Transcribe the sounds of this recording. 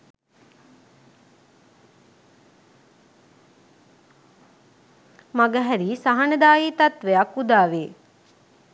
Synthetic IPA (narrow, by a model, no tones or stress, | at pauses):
maɡəɦæɾiːsaɦanəd̪aːjiːt̪at̪ʋejakud̪aːʋeː